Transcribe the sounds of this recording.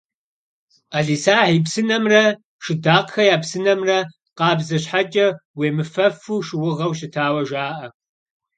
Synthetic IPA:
aɮiːsaːħiːpsɨnɐmrɐ | ʃɪdaːqxɐjaːpsɨnɐmrɐ | qɑːbzɐɕħat͡ʃʼɐweːmɨfɐfuːʃɪwʊʁɐwɕɪtʰaːwɐʒaːʔɐ

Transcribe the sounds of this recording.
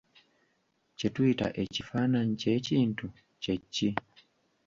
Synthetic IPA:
cetwita̰ʔecifanaɲceciːntu | ceci

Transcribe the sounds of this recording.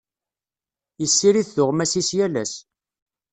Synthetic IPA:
jəsːiɾiθθʊʁmæsisjælæ̰s

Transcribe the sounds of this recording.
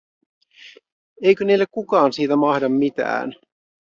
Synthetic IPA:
ejkønejlːekkukɑːnsiːt̪æmɑhdɑmːit̪æ̰ːn

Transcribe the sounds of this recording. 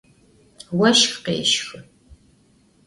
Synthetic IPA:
wɐʃxqḛːʃxɨ

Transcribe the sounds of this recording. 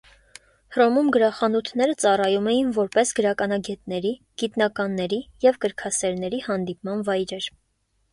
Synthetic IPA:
rɔmumɡəɾɑχɑnut̪ʰnɛɾət͡sɑrɑjumɛjinvɔɾpɛsɡəɾɑkɑnɑɡɛt̪nɛɾi | ɡ̥it̪nɑkɑnːɛɾijɛvkəɾkʰɑsɛɾnɛɾihɑnd̪ipmɑnvɑjɾɛɾ

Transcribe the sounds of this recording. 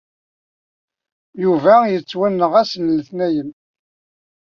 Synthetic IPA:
juvæjət͡sːwænːəʁæsənləθnæjən

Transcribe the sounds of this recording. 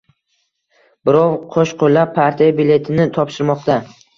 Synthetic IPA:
bɪɾɒwqʰoʃqʰolːaaɾt̪ʰijabile̞t̪ʰɪnɪt̪ʰɒpʃɪɾmɒqt̪a

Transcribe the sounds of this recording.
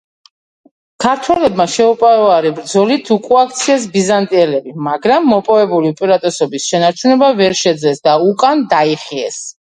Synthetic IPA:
kʰaɾt̪ʰwɛlɛbmaʃɛupʼaɾɔaɾibɾd̪zɔlit̪ʰukʼuakʰt̪sʰiɛs̬bizant̪ʼiɛlɛbimaɡɾamːɔpʼɔvɛbuliupʼɛɾat̪ʼɔsɔbisʃɛnaɾt͡ʃʰunɛbavɛɾʃɛd̪zlɛsd̪aukʼand̪aiχiɛ̰s

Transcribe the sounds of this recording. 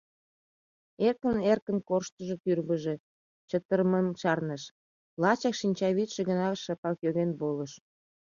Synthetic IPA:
erkənerkənkorʃt̪əʒot̪yrβəʒe̽ | t͡ɕət̪ərməmʃɑrnəʃ | lɑt͡ɕɑkʃinʲt͡ɕɑβit̪ʃĕɣənɑʃɑpɑkjoɣenboləʃ

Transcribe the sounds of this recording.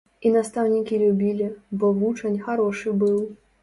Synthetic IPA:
inast̪awnʲikʲilʲubʲilʲibɔvut͡ʂɐnʲxaɾɔʂɨbɨw

